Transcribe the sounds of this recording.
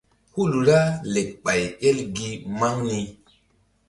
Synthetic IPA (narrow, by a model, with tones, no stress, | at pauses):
hu˦lɾa˦le˨k̚ɓa˨je˦lɡi˦ma˦ŋni˧